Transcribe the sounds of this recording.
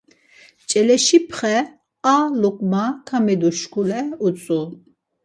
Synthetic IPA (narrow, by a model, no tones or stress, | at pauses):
t͡ʃʼɛlɛʃipʰχɛ | alukʼmakʰamɛd̪uʃkʰulɛut͡sʼu